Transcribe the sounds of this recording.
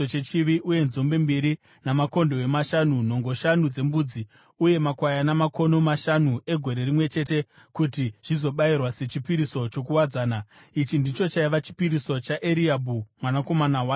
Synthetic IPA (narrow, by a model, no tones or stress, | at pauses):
ot͡ʃet͡ʃiʋiʔuje̞nzo̞mbe̞mbiɾi | namako̞ndo̞wemaʃanun̤o̞ŋɡo̞ʃanud͡ze̞mbuːd͡zi | uje̞makwajanamako̞no̞maʃanue̞ɡʱo̞ɾe̞rimwe̞t͡ʃe̞te̞ | kutiʐ̥izo̞ɓairwase̞t͡ʃipiɾiso̞t͡ʃo̞kuwad͡zaːna | it͡ʃindit͡ʃo̞t͡ʃaiʋat͡ʃi̥piɾiso̞t͡ʃaʔeɾiabʱumwanako̞manawaː